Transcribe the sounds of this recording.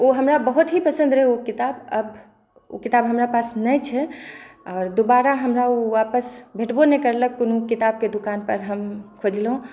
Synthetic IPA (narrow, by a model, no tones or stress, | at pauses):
oɦəmɾabəɦut̪ɦipəsə̃nd̪ɾeɦokit̪abə̰b | o̰kit̪abɦəmɾapasnəjt͡ʃʰɛɔːɾd̪obaɾaɦəmɾaoʋapəsbʱeʈbonekəɾləkːonukit̪ab̚ked̪ukanpəɾɦəmkʰod͡ʒlɦũ